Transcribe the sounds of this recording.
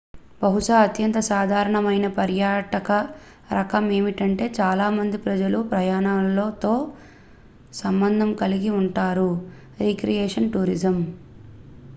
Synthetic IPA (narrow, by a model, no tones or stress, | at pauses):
bɐɦuʂaːɐt̪jɐnt̪ɐsaːd̪ʱaːɾɐɳɐmɐjnɐpɐɾjaːʈɐkɐ | ɾɐkɐme̞ːmiʈɐɳʈe̞ːt͡ʃaːlaːmɐnd̪ipɾɐd͡ʒɐlupɾɐjaːɳamloːt̪o̞ː | sɐmbɐnd̪ʱɐmkɐliɡiuɳʈaːɾu | ɾiːkɾijɛːʂɐnʈuːɾid͡ʒɐm